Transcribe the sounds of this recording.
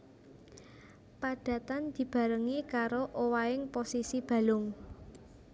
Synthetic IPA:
paɖ̥ä̤t̪and̪̥i̤b̥ä̤ɾəŋikaɾoʔowaɪŋposisib̥ä̤lʊŋ

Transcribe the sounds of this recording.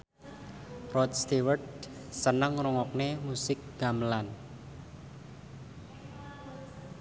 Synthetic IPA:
rɔt̪̚st̪iwərd̚ | sənəŋrɔŋɔk̚nemusɪk̚ɡ̥amlan

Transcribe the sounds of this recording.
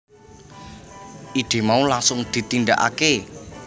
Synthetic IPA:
ʔid̪̥e̤maulaŋsʊŋd̪̥i̤t̪ind̪aʔa̰ke

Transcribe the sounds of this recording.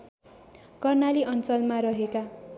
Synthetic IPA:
kʌrnaliʔʌnt͡sʌlmaɾʌɦeka

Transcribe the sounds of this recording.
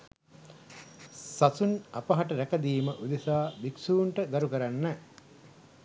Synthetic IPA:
sasunapɐɦaʈəɾækɐd̪iːməʔud̪esaːbiksuːɳʈəɡ̪aɾukəɾanːɛ

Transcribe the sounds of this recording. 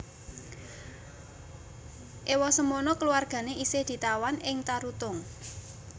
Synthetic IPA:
ʔewɔsəmonɔkəluwarɡ̥a̤neisɪhd̪̥i̤t̪awanɪŋt̪aɾut̪ʊŋ

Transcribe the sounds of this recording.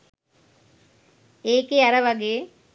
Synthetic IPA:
eːkeaɾɐʋaɡeː

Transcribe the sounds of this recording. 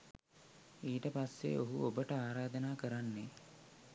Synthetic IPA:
iːʈəpasːḛʔoɦuobəʈəaːɾaːd̪ənaːkəɾanːe

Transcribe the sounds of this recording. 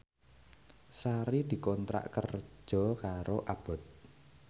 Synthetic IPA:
saɾid̪̥i̤kɔnt̪ɾa̰ʔkə̰r̥ʒ̥ɔ̤kaɾoʔab̥ɔ̤t̪̚

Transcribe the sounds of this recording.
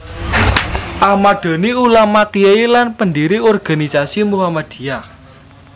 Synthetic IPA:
ʔamaɖ̪̥o̤niulamakijeilanpəndiɾiɔrɡ̥a̤nisasimuɦamad̪̥i̤ja

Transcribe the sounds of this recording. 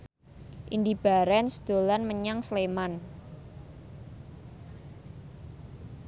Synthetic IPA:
ʔind̪ib̥a̤ɾɛnsd̪̥o̤lanməɲaŋsleman

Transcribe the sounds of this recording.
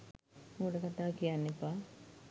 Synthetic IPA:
muːɖəkat̪aːkijanːepa

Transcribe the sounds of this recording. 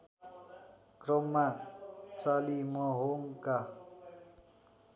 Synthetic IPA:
krʌmːat͡salimʌɦoŋka

